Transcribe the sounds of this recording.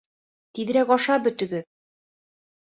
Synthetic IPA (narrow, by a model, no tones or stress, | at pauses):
t̪iðɘɾækɒʃɑbɵ̆t̪ɵ̆ɡɘ